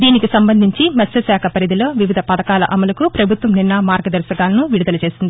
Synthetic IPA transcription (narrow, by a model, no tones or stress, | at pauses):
d̪iːnikisɐmbɐnd̪ʱiɲt͡ʃimɐsɐsaːkʰɐpɐɾid̪ilo̞ːʋiʋid̪ʱɐpɐd̪ɐkaːlɐ̰ʔɐmɐlɐkupɾɐbʱut̪ʋɐmninːɐmaːɾɡɐd̪ɐɾsɐkaːlɐnuʋiɽud̪ɐlɐt͡ʃe̞ːsind̪ii